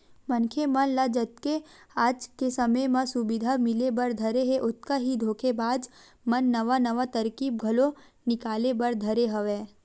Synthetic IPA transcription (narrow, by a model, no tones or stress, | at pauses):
mɐnkʰemɐnlad͡ʒɐt̪ke | aːd͡ʒkesɐməjmãsʊbɪd̪ʱamɪlebɐɾd̪ʱɐɾeɦeʔʊt̪̚kaɦid̪ʱoːkʰebaːd͡ʒ̪ | mɐnːɐʋanɐʋat̪ɐɾkiːb̚ɡʱɐlo | nɪkaːlebɐɾd̪ʱɐɾeɦɐʋeː